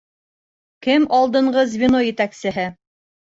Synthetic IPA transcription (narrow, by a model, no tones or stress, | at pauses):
kɘmɑlˠd̪ɤ̆ɴʁɤzvʲinojɘ̆t̪æksɘ̆ɦɘ